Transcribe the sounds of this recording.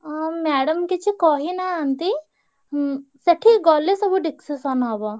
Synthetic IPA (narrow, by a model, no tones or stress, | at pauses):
amɛːɽɐmket͡ʃʰikɔːɦinaant̪i | sɐʈʰiɡɔːlesɐbuɖiksisanaːba